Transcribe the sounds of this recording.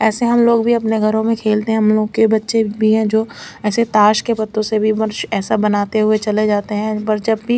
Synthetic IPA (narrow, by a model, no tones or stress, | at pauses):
ɛːseɦɐmloːɡbʱiɐpneɡʱɐɾõmẽkʰeːlt̪eɦɛ̃ɦɐmloːɡkebɐtːʃebʱiɦɛ̃d͡ʒoːɛːset̪aːʃkepɐt̪ːõsebʱibɐɾʃɛːsabɐnaːt̪eɦʊet͡ʃɐled͡ʒaːt̪eɦɛ̃pɐɾd͡ʒɐbːi